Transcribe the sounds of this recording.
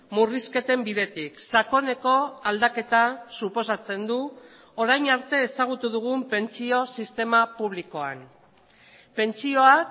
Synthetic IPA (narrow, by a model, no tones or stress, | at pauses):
muriske̞t̪e̞mbiðe̞t̪iksako̞ne̞ko̞ald̪ake̞t̪asupo̞sat͡se̞nd̪u | o̞ɾajnaɾt̪e̞ːsaɣ̞ut̪uðuɣ̞umpe̞nt͡sio̞sist̪e̞mapuβ̞liko̞a̰n | pe̞nt͡sio̞ak